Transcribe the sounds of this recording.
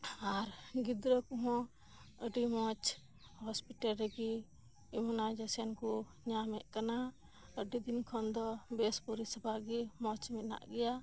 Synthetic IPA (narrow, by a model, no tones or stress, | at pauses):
aɾɡid̪ɾɔkuɦɔ̃ | əɖimɔt͡ʃ | hɔspiʈalɾɛɡi | imɔnad͡ʒasɛnku | ɲamɛʔ̚kana | əɖid̪inkʰɔnd̪ɔbɛspuɾisəbʱaɡimɔt͡ʃmit̪̚na̰ʔɡɛja